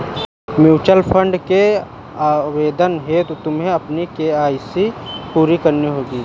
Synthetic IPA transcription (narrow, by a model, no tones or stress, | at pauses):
mjuːt͡ʃəlpʰəɳɖke | aːweːd̪ənɦet̪ot̪ʊmɦẽɐpnikeaːjsipuːɾikɐɾniɦoːɡiː